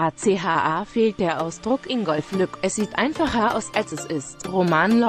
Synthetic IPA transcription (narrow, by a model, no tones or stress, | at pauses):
ʔaːt͡seːɦaːʔaːfeːlt̚d̥eːɐʔaʊsd̥ʁʊkʔɪŋɡɔlflʏkʔɛsz̥iːtʔaɪnfaχɐʔa̰ʊsʔalsɛsɪstʁomaːnl